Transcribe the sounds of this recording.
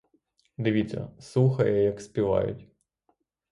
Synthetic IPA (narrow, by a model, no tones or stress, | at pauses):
d̪ɪʋʲitt͡sʲːɐ̰suxɐjɛjɐkspʲiʋɑ̰jʊ̰tʲ